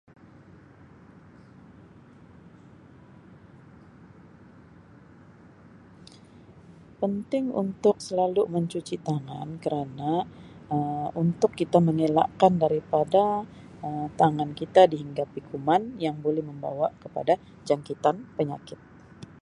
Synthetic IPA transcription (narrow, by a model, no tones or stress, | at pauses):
pənt̪ɪŋṵnt̪ʊk̚səlaluməɲt͡ʃut͡ʃit̪aŋa̰nkəɾanaəunt̪ʊkːit̪aməŋela̰ʔkandaɾipada | əmt̪aŋankit̪adiɦiŋɡapikumanjaŋbolɛhməmba̰wakəpa̰da | d͡ʒaŋkit̪anpəɲa̰kɪt̪̚